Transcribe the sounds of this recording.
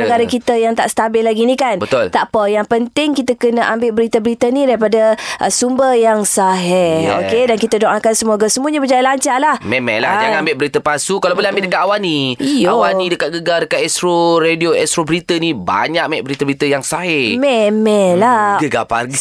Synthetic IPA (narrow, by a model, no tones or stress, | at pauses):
əɡaɾakit̪əjaŋt̪a̰ʔst̪abɪlaɡinikanbət̪ʊlt̪apajaŋpənt̪ɪŋkit̪əkənəʔambɪʔ̚bəɾit̪əbəɾit̪ənidaɾipadaʔəsumbərjaŋsaɦɛo̰kedankit̪ədoŋʔakansəmuaɡasəmuəɲabəd͡ʒajalaɲt͡ʃalahmɛmɛ̰la̰hd͡ʒaŋambɪʔ̚bəɾit̪əpasukalawbolɛhambɪʔdəkat̪awaniijawanidəkat̪̚ɡəɡadəkat̪̚ɛst̪ɾoɾedioɛst̪ɾobəɾit̪əniba̰ɲak̚mɛʔ̚bəɾit̪əbəɾit̪əjaŋsaɦɛmɛmɛlaɡəɡa̰pa̰ɡi